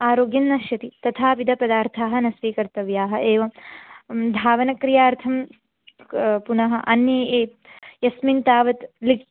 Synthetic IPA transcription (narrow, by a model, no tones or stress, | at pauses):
aːɾoːɡjɐnːɐʃjɐt̪it̪ɐt̪ʰaːʋid̪ʱɐpɐd̪aːɾt̪ʰaːɦɐ̆nɐsʋiːkɐɾt̪ɐʋjaːɦɐ̆ʔeːʋɐ | d̪ʱaːʋɐnɐkɾijaːɾt̪ʰɐm | punɐɦɐ̆ʔɐnjɐːeː | jɐsmint̪aːʋɐt̪lik